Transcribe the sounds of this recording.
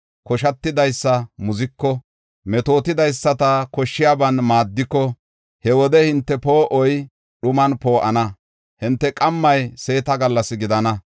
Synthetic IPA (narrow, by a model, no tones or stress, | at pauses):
kɔʃɐt̪ːɪd̪ɐjsːɐmʊzɪkːɔ | mɛt̪o̞ːt̪ɪd̪ɐjsːɐt̪ɐkɔʃːɪjaːbɐnmaːd̪ːɪkːɔ | hɛwɔd̪ɛhɪnt̪ːɛpo̞ːʔɔj | ɗʊmɐnpo̞ːʔɐnɐ | hɪnt̪ːɛkʼɐmːɐjse̞ːt̪ɐɡɐlːɐsɪɡɪd̪ɐnɐ